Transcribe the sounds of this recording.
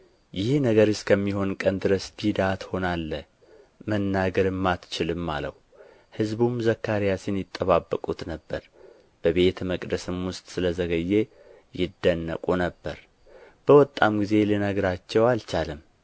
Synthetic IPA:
jɪhnəɡəɾɨskʰəmːiho̞nkʼənd̪ɨɾəsd̪id̪at̪ho̞nalːə | mənːaɡəɾɨmːat̪t͡ʃɪlɨmːa̰ləwu | hɨzbumzəkːaɾijasɪnjɪt̪ʼːəβabːəkʼut̪nəbːəɾ | b̥əβe̞t̪məkʼd̪əsɨmwʊst̪ʼsɨləzəɡəjːe | jɪd̪ːənːə̰kʼunəbːəɾ | b̥əwɔt̪ʼːamɡize̞linəɡɾat͡ʃːɛwalt͡ʃalɨm

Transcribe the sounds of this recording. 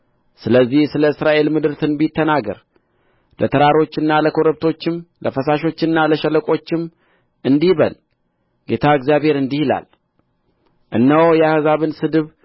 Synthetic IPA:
sɨləzːihsɨləɨsɾaʔe̞lmɨd̪ɨɾt̪ʰɨnbit̪ʰːənaɡə̰ɾ | lʔət̪ʰəɾaɾo̞t͡ʃːɨnːaləkʰo̞ɾəβt̪ʰo̞t͡ʃːɪmləfəsaʃo̞t͡ʃːɨnːaləʃələkʼo̞t͡ʃːɪm | ʔɨnd̪iβə̰l | ɡ̥e̞t̪ʰaɨɡzjaβhe̞ɾɨnd̪ihila̰l | ʔɨ̰nːəwjɛahɨzaβɨnsɨd̪ɨβ

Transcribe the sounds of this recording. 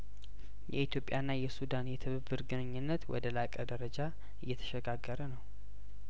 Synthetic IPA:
jɛit̪ʰjo̞pʼjanːajɛsud̪anjɛt̪ʰɨβɨbːɨɾɡɨnɨɲːɨnːət̪wɔ̰d̪əlakʼəd̪əɾəd͡ʒa | ɨjːɛt̪ʰə̥ʃɛɡaɡːəɾənəw

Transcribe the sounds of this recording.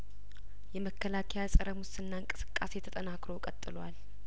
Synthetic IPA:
jɛməkːəlakʰɛjasʼəɾəmwʊsɨnːaɨŋkʼɨsɨ̥kʼːase̞t̪ʰət̪ʼənakɾokʼət̪ʼːɨlwal

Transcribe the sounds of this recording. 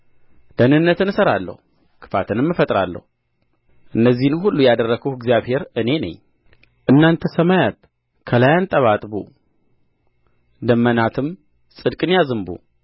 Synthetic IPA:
d̪̥ənɨnːət̪ɨnɨsəɾalːə̰hu | kʰɨ̥fat̪ʰɨnɨmːɨfət̪ʼɾa̰lːə̰hu | ʔɨnːəzːihnɦulːujad̪ərːəɡuhɡzijaβhe̞ɾɨne̞nə̰ɲː | ʔɨnːant̪ʰəsəmajat̪̚ | kʰəlajant̪ʼəβat̪ʼbṵ | d̪əmːənat̪ʰɨm | sʼɨd̪kʼɨnjazɨmbṵ

